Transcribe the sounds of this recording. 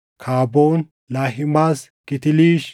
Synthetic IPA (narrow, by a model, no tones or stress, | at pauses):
kʰaːboːn | laːɦɪmaːskɪt̪ɪliːʃ